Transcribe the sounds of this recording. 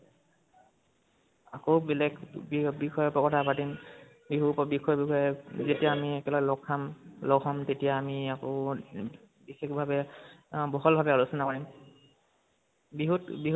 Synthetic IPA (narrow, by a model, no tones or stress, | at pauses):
akowbɛlɛkbbixʰɔjɔpɔkɔtʰapatim | biɦupbixʰɔjɔbikʰɔjɛzetijaːmiɛkɛlaɛlɔkʰːamlɔkʰɔmtetijaːmiako | bixekbʱabɛbɔɦɔlbʱabɛɔlusɔnakɔɹim | biɦutbiɦ